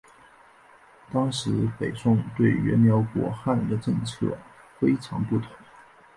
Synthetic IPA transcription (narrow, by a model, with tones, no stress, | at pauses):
t̪ɑ˥ŋʂɻ̩˧˥pe˨˩ɪsʊ˥˧ŋt̪we˥˩ɪɥɛ̰˧˥nnjɑ˧˥ʊkwɔ̰˧˥xa˥˩nd̪ə˩ʈ͡ʂɤ˥˧ŋt͡sʰɤ̰˥˩ | fe˥ɪʈ͡ʂʰɑ˧˥ŋpu˥˩t̪ʰʊ˧˥˦ŋ